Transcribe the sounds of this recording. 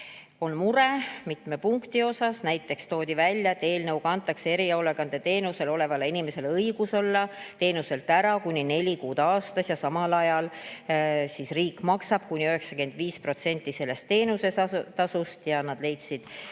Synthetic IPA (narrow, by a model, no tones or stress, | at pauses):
o̞nmuɾe̞mit̪me̞puŋkt̪io̞sɑsnæjt̪ːˑe̞kst̪oːd̪ivælʲjɑt̪e̞ːlnɤwɡ̥ɑɑnt̪ːˑɑksee̞ɾio̞le̞ɡ̥ɑnd̪̥e̞t̪e̞ːnuse̞lo̞le̞vɑleinʲime̞se̞lɤiɡ̥uso̞lːɑt̪e̞ːnuse̞lt̪ːˑæɾɑkunʲine̞lʲikuːd̪̥ɑːst̪ɑsjɑsɑmɑlɑjɑl | sisriːkːˑmɑksɑb̥kunʲiøɦe̞ksɑ̥kyend̪viːspro̞t̪se̞nʲt̪ːˑise̞lːe̞st̪ːe̞ːnuset̪ɑsust̪jɑnɑd̪̥le̞jt̪sid̪̥